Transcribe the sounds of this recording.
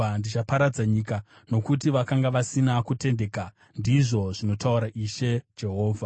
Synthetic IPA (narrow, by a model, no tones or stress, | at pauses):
andit͡ʃapaɾad͡zaɲika | no̞kutiʋakaŋɡaʋasinakute̞nde̞ka | ndiʐo̞ʐino̞tauɾaʔiʃe̞d͡ʒe̞ɦo̞ːvʱa